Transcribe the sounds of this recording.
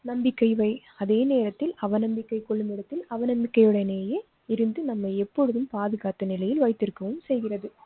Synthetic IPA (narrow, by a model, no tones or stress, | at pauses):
nɐmbɪkːɐɪʋɐɪ | ɐðeːneːɾɐt̪ːɪlɐʋɐnɐmbɪkːɐɪkɔɭːɯmɪɽɐt̪ːɪlɐʋɐnɐmbɪkːɐɪɯɽɐjneːjeː | ɪɾɯnd̪ɯnɐmːɐɪɛpːɔɻɯðɯmpaːðɯɣaːt̪ːɐnɪlɐjɪlʋɐɪt̪ːɪɾɯkːɐʋɯmsɛjɣɪrɐðɯ